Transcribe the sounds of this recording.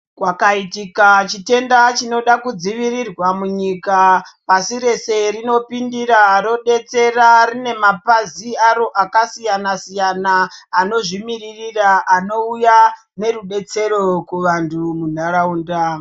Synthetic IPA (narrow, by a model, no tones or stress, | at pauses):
kwakaitikat͡ʃite̞ndat͡ʃino̞ɗakud͡ziʋirirwamuɲikapasiɾe̞se̞rino̞pindiɾaɾo̞ɗe̞t͡se̞rarine̞mapaziaɾo̞ʔakasijanasijanaːno̞ʐimiririraʔano̞uja | ne̞ruɗe̞t͡se̞ɾo̞kuʋantʰumun̤arauːnda